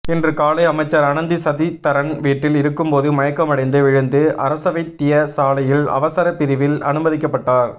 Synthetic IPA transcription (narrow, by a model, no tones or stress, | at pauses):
ɪndrɯkaːlɐɪɐmɐɪt͡ʃːɐɾɐɳɐnd̪isɐðit̪ːɐɾɐnʋiːʈːɪlɪɾɯkːɯmpoːðɯmɐjɐkːɐmɐɽɐɪnd̪ɯʋɪɻɯnd̪ɯɐɾɐsɐʋɐɪt̪ːɪjɐsaːlɐjɪlɐ̰ʋɐsɐɾɐpɪɾɪʋɪlɐ̰nɯbɐðɪkːɐpːɐʈːaːɾ